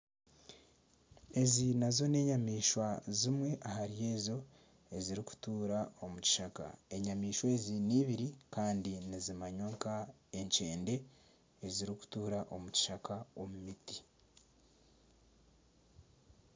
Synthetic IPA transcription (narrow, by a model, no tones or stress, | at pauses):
e̞zinazo̞ne̞ːɲamiːʃwazimwe̞ʔahaɾije̞ːzo̞ | e̞ziɾiku̥tuːɾao̞muci̥ʃaka̰e̞ɲamiːʃwe̞ːziniːβiɾikaːndinizimaɲoːŋka | e̞ɲce̞ːnde̞ | eziɾiku̥tuːɾaʔo̞muci̥ʃakao̞mumiti̥